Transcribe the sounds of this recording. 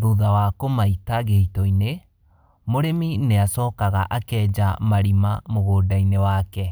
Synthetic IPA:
ɾoðawakomaitaɣehitɔine | moɾemineasɔːkaɣaʔakɛːd͡ʒa̰maɾimamoɣoːdainewaːkɛ

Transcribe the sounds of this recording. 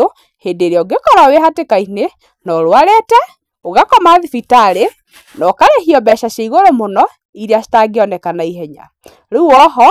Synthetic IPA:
o | hedeɾeɔoɡekɔɾaweɦatekaine | nɔɾowaɾetɛ | oɣakɔmaðifitaɾe | nɔkaɾehiɔbɛʃaɕaiɣoɾomonɔ | iɾeastaɡeɔnɛkanaiɦɛɲa̰ | ɾeuɔɦɔ

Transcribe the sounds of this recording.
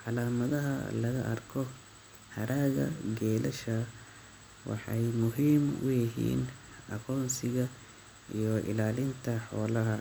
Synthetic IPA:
ʕɑlaːmɐðɐɦɐ̰lɐɣɐʔɐrkʰɔ | hɐɾʔaːɣɐ̰ɡɛːlɛʃɐ | wɑ̰ħɑjmʊɦiːmʊ̰jɪɦḭːn | ɐɣɔːnsɪɣɐ | ijɔʔɪ̰laːlɪnt̪ʰɐħɔːlɐɦɐ

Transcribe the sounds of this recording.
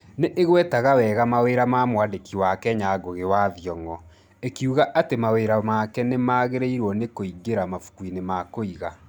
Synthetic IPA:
neʔeɣwɛtaɣawɛɣamaweːɾamamwadekiwakɛɲaɡoɣewaðjɔŋɔ | ekuɣaʔatemaweːɾamaːkɛnemaːɣeɾeiɾwɔnekoiɡeɾamafu̥kwinemakoiɣa

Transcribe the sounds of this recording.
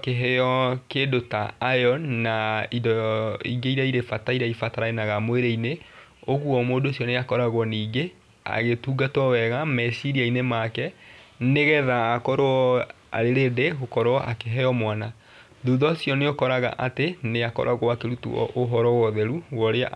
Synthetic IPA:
keɦɛɔkedota̰ːjɔnnaidɔiɡeiɾaiɾefataiɾaifataɾaenaɣamoweɾeine | oɣwɔmoːdoːsjɔneakɔɾaɣwɔniːɡe | a̰ɣetuɡatɔwɛɣamɛsiɾiainemakɛneɣɛðaːkɔɾoɔ | a̰ɾeɾedeɣokɔɾoʔa̰keɦɛjɔmwana | ðuðɔsjɔneokɔɾaɣa̰ʔateneakɔ̰ɾʔaɣwakeɾutṵɔ̰ʔoɦɔɾɔwɔðɛɾuwɔɾea̰

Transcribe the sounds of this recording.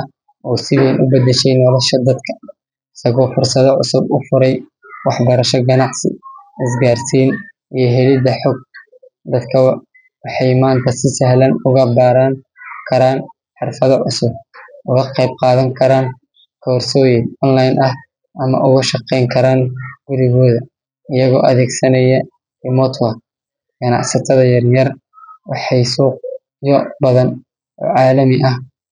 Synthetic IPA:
ɐ | ɔːsɪðɛjnʔʊbɐd̪ɛʃɛjnːɔlɐʃɐd̪ɐd̪kʰɐ̥ | ɪsɐɣɔːfʊrsɐðɐʕʊ̰sʊbʊfʊɾɛj | wɑħbɐɾɐʃɔɡɐnɑʕsɪ̰ʔɪs̬ɡaːrsiːn | ʔijɞɦɛlɪd̪ɐħɔɡ̚ | d̪ɐd̪kʰɐw | wɑħɑjmaːnt̪ʰɐsɪsɐɦlɐnʊɣɐbaːɾɐŋ | kʰɐɾaːn | ħɑrfɐðɐʕʊ̰sʊb̚ʔʊɣɐqɑjb̚qɑːðɐŋkʰɐɾaːŋ | kʰɔːrsɔːjɪŋɔnlajnʔɐh | ʔɐmɐ̰ʔʊɣɐʃɑqɛjŋkʰɐɾaːŋɡʊɾɪɣɔːðɐ | ɪjɐɣɔ̰ːʔɐðɛːɡsɐnɐjɐ | ɪmɔt̪ʰɐ | ɡ̥ɐnɑ̰ʕsɐt̪ʰɐðɐjɐrjɐr | wɑħɑjsuːq̚ | jɔbɐðɐn | ʔɔ̰ːʕɑːlɐmɪʔɐh

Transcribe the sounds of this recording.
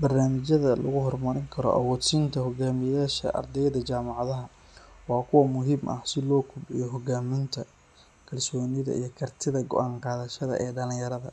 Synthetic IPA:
bɐrnaːmɪt͡ʃjɐðɐlɐɣʊɦɔrmɐɾɪŋkʰɐɾɔ̰ʔɐ̰wɔːt̪sint̪ʰɐɦɔɡaːmɪjaːʃɐ̰ʔɐ̰rd̪ɛjðɐt͡ʃaːmɑʕðɐɦɐ | wɑːkʰʊwɐmʊɦɪmʔɐ̰hsɪlɔːkʰʊbʕɪjɔɦɔɡaːmɪnt̪ʰɐ | kʰɐlsɔːnɪðɐ̰ʔḭjɞkʰɐrt̪ʰɪðɐɡɔ̰ʔaːɴqɑːðɐʃɐðɐ̰ʔɛːɖɐlɪ̃ŋjɐɾɐðɐ̰

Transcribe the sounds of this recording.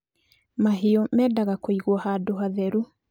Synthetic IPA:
maɦeɔmɛdaɣakoiɣwɔhadoɦaðɛɾu

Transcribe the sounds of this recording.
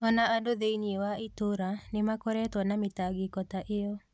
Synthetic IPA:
ɔnaandoðeiniewaitoɾanemakoɾɛtwɔnametaɡikɔtaʔejɔ

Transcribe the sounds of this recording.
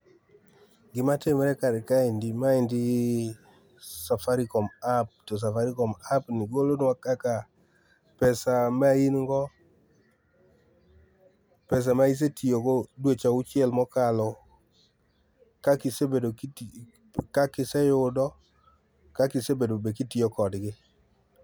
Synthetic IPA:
ɡɪmatɪmɛɾɛkaɾɛkaɪndɪmaɪndɪ | safaɾikɔmap̚tɔs̬afaɾikɔmapnɪɡolonwakaka | pɛsamainŋɡɔ | pɛs̬amais̬etijokodwet͡ʃaʊt͡ʃɪɛlmɔkalɔ | kakɪsebedo | kakɪsɛjʊdɔ | kakɪsebedobek̬itiokɔdɡɪ

